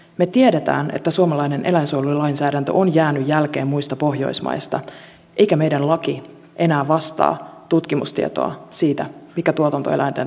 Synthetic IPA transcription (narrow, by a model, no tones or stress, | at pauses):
me̞t̪ieɾet̪æ̰ːne̞̰t̪ːæsuomɑlɑjne̞nʔe̞læinsuolulɑinsæːɾænt̪øʔonjæːnyjːælk̟e̞ːmmuist̪ɑpo̞ɦjo̞̰jsmɑ̰jst̪ɑ̰ | ʔe̞jkæme̞jdænlɑki | ʔe̞næːʋɑst̪ɑ̰ːt̪ut̪kimṵst̪iet̪o̞̰ɑ̰siːt̪æmikæt̪uot̪ɑnt̪o̰elʔæjnt̪en